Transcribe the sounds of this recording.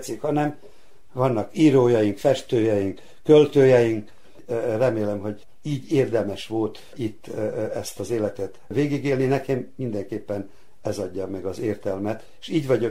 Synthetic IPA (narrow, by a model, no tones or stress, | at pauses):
t̪sikhɒnɛm | vɒnːɒkiːɾoːjɒjiŋkfɛʃt̪øːjɛjiŋk | kølt̪øːjɛjiŋk | rɛmeːlɛmɦo̞ɟ | iːɟeːrd̪ɛmɛʃʋo̞lt̪ | it̪ːɛst̪ɒzeːlɛt̪ɛt̪veːɡiɡeːlninɛkɛmːind̪ɛŋkeːpːɛn | ɛzɒɟːɒmɛɡɒzeːrt̪ɛlmɛt̪eʃiːɟʋɒɟo